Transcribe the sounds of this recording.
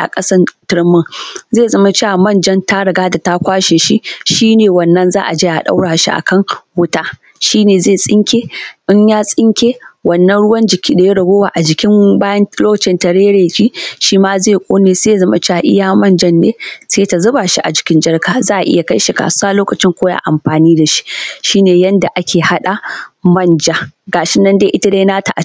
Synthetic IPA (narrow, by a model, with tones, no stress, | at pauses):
ʔa̰˨kʼɐ˦sɐ˦tɪ˨ɾɪ˦mːʊ˦ŋzeː˦˨zɐ˨mɐ˦t͡ʃe˦ʔa˨mɐ˦˨nd͡ʒɐ˦nta˦ɽɐ˨ɡaː˦da˨ta˦kʷaː˦ʃeː˨ʃi˦ʃiː˦neː˨wɐ˨nːɐ˦nzaː˦ʔa˨d͡ʒeː˦jʔa̰˨ɗa̰˦wɽaː˨ʃḭ˦ʔa̰˨kʰɐ˦˨ŋwʊ˦taː˦ | ʃiː˦neː˨zeː˦˨sʼɪ˦ŋkʲeː˦ʔɪ˦ɲjaː˦sʼɪ˦ŋkʲeː˦wɐ˨nːɐ˦nɽʊ˦wɐ˦nd͡ʒɪ˨kʲiː˦da˨je˦ɽɐ˨ɡʷoː˦waː˨ʔa˨d͡ʒɪ˨kʲɪ˦mbaː˦jɐ˦nloː˦kɐ˨t͡ʃɪ˦nta˨ɽeː˦ɽeː˨kʲiː˦ʃiː˦maː˦zeː˦˨kʷʼoː˦neː˨se˦ja˦˨zɐ˦ma̰˨t͡ʃa˦˨a˨ʔɪ̰˦jaː˨mɐ˦˨nd͡ʒɐ˦nːḛː˦seː˦ta˨zʊ˦baː˨ʃi˦ʔa˨d͡ʒɪ˨kʲɪ˦nd͡ʒɐ˦rkaː˨zaː˦ʔa˨ʔɪ̰˦ja˨ka˦jʃi˨ka̰ː˨su˦waː˦loː˦kɐ˨t͡ʃɪ˦ŋkʷoː˦ja̰ː˦ʔa˨mɸaː˨niː˦da˨ʃi̥˦ʃiː˦neː˨jɐ˦nda˨ʔa˦kʲeː˨ha˦ɗa˨mɐ˦˨nd͡ʒa˦ɡaː˨ʃɪ˦nːɐ˦ndeː˦ʔɪ˦ta˦daː˦naː˦ta˨ʔa˨˦